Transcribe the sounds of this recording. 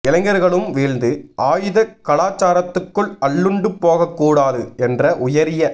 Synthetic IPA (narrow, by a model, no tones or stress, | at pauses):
ɪlɐŋɡɐɾɣɐɭɯmʋeːlnd̪ɯʔaːjɯðɐkɐɭaːt͡ʃːaːɾɐt̪ːɯkːɯɭɐɭːɯɳɖɯpːoːɣɐkːuːɽaːðɯɛndrɐʔʊjɐɾɪjɐ